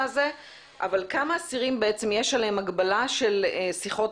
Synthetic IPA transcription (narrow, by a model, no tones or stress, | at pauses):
ze̞ | ʔavalkamaːsiʁimbe̞et͡semje̞ʃalehemaɡbalaʃe̞lsiχo̞t